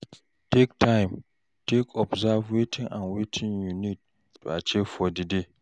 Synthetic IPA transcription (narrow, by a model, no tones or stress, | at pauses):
tektʰãɪ̃m | tʰekʰɔbzavwetʰɪŋãnwetʰiŋjunit̚ | to̰at͡ʃefɔdide